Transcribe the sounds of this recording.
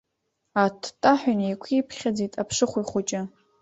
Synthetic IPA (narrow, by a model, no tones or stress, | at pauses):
atʰtʼaħʷᶣʊnikʷʰipʰχʲad͡zitʼapʰʂɨχʷʊiχʷʊt͡ʃʼɪ